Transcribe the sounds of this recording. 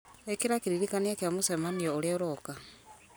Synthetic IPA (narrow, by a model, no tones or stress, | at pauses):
ekiɾakiɾiɾikanijakjamusemaniooɾjaɾoka